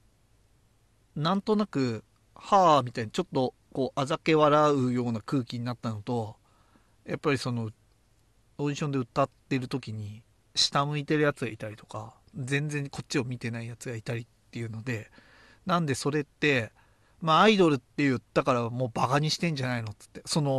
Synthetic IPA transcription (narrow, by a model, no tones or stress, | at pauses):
nãnt̪o̞nakɯ̟ | hamʲit̪ainat͡ɕo̞t̪ːo̞ | ko̞ːʔazake̞βaɾaɯ̟jo̞ːnakɯ̟ːkʲiɲ̟inat̪ːanot̪o̞ | japːaɾʲiso̞no̞ | odiɕõ̞nd̪e̞ɯ̟t̪ːat̪ːe̞ɾɯ̟t̪o̞kʲiɲ̟i | ɕi̥t̪amɯ̟it̪e̞ɾɯ̟jat͡sɨɡait̪aɾʲit̪o̞ka | zẽ̞nd͡zẽ̞ŋkʰo̞t͡ɕːio̞mʲit̪e̞naijat͡sɨɡait̪aɾʲit̪ːe̞jɯ̟ːno̞d̪e̞ | nãnd̪e̞so̞ɾe̞t̪ːe̞ | maaid̪o̞ɾɯ̟t̪ːe̞ɯd̪̥akaɾaβmo̞ːbaɡaɲ̟iɕi̥t̪ẽ̞ɲ̟d͡ʑanaino̞t͡sɨ̥t̪ːe̞so̞no̞